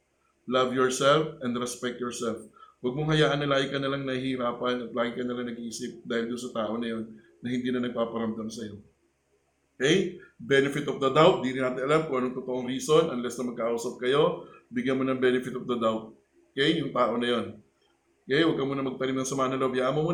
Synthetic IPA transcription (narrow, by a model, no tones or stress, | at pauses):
lavjɔɹsɛlfɛnd̪ɾɛspɛk̚t̪jɔɹsɛlfwɐɡ̚moŋhɐjaːʔɐnːɐlaːɡɪkɐnɐlaŋnɐhiɾaːpɐnɐt̪̚laːɡɪkɐnɐlɐŋnɐɡiʔiːsɪp̚d̪aːhɪld̪ʊnsɐt̪aːʔo̞nɐjo̞nː | ɐhɪnd̪iːnɐnɐɡ̚paːpɐɾɐmd̪ɐmsɐjo̞ | okɛjbɛnɪfɪt̪ɔfd̪ɐd̪awt̪̚d̪iɾɪnːaːt̪ɪnʔɐlamkʊŋʔɐnoŋt̪ot̪oʔoŋɾiːso̞nʔɐnlɛsnɐŋmɐɡkɐʔʔuːsɐp̚kɐjo̞bɪɡjɐnmonɐŋbɛnɪfɪt̪ofd̪ɐd̪awt̪̚ː | kɛjːʊŋt̪aːʔo̞nɐjo̞n | okɛjwɐɡ̚kɐmuːnɐmɐɡ̚t̪ɐɾimnɐŋsɐmaːnɐlobjaːʔɐmomuː